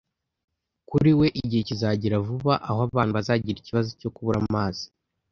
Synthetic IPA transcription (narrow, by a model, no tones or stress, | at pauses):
kuɾiwe̞ʔiɟihecizaɟiɾavuβaʔahoaβaːn̥uβazaːɟiɾiciβazoco̞kuβuɾamaːz̥i̥